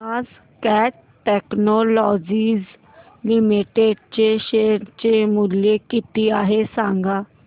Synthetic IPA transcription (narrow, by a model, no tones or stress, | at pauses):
az | kɛːʈ | ʈːɛːknoːlɔːd͡ʒiːz | lɪmeʈeːɖt͡ʃeːʃeːɾt͡ʃeːmuljeːkiːt̪iːaːɦeːsãːŋɡaː